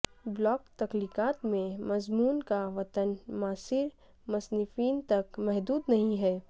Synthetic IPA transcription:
blɔːkt̪ɐkliːkaːt̪mẽmɐzmuːnkaʋɐt̪ənmaːsɪɾ | mɐsnɪfiːnt̪ɐkmɛɦd̪uːd̪nɐɦĩɦɛː

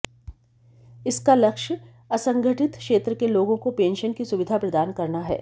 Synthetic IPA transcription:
ɪskalɐkʃə | ɐsɐ̃ŋɡʱəʈɪt̪kʃeːt̪ɾəkeloːɡõkopẽːnʃənkisʊʋɪd̪ʱapɾɐd̪aːnkɐɾnaɦɛ̰ː

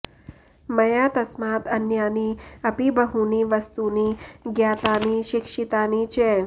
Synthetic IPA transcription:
mɐjaːt̪ɐsmaːt̪ɐnjaːniɐpibəɦuniːʋəst̪uniːɡjaːt̪aːniːʃɪkʂit̪aːniːt͡ʃʰe

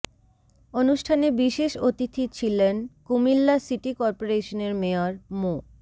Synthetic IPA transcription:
onuʃʈʰanebiʃeʃot̪it̪ʰːit͡ɕʰilenkumilːasiʈikɔɾpoɾeʃoneɾmeoɾmo

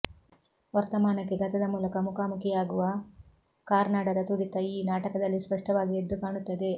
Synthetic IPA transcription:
ʋɐɾt̪ɐmaːnɐkːeɡɐt̪ɐd̪ɐmuːlɐkɐmukaːmukijaːɡuʋɐ | kaːɾnaːɽɐɾɐt̪uɽit̪ːɐiːnaːʈɐkɐd̪ɐlːispɐʂʈɐʋaːɡied̪ːukaːɳut̪ːɐd̪e̞

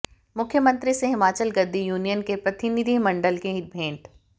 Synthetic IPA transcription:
mʊkʰːjəmə̃nt̪ɾiseɦɪmaːt͡ʃəlɡɐd̪ʱːijuːnijənkepɾɐt̪ɪnid̪ʱimɐ̃ɳɖəlkeɦɪt̪̚bʱẽːɳʈ

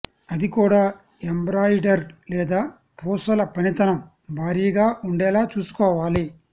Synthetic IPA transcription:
ɐd̪ikuːɽaː | embɾaːjɖɐɾlɛːd̪aː | pʰɔːsɐlɐpɐnit̪ɐnɐm | bʱaːɾijɐɡaːʔuɳɖɛːlaːt͡ʃuːsu̥kɔːʋaːli

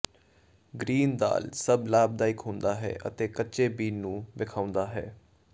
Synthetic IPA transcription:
ɡɾiːnd̪a̰ːlsəblaːb̚d̪aːɪkɦʊ̃nd̪aːɦɛ̰ːʔə̰t̪eːkətːʃeːbiːnnũːʋɪkʰaːʊnd̪aːɦɛ̰ː

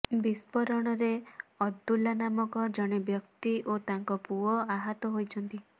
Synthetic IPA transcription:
bispɔɾɔɽ̃ɔɾeɔd̪ːulanamɔkɔd͡ʒɔɽ̃ebjɔk̚t̪iʔot̪aŋkɔpuɔaɦat̪ɔɦojt͡ʃʰɔnt̪i

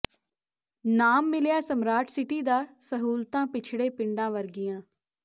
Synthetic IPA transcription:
naːmːɪljaːsəmɾaːʈʰsɪʈiːd̪aːsəɦuːlt̪ãːpɪt͡ʃʰɽeːpɪɳɖãːʋəɾɡɪjãː

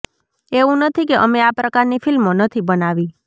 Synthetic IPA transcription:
eʋũnət̪ʰikeʔəmeapɾəkaɾnifɪlmonət̪ʰibənaʋi

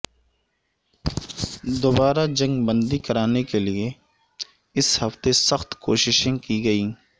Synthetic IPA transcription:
d̪oːbaːɾad͡ʒɐ̃ŋɡbə̃nd̪ikɐɾaːnekelɪe | ɪshɐft̪esəxt̪koːʃɪʃẽkiɡɐiː

